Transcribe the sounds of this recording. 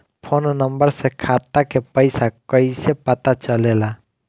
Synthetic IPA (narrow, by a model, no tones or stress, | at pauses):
pʰoːnnəmbəɾsekʰaːt̪akepəɪsakəisepət̪at͡ʃəleːla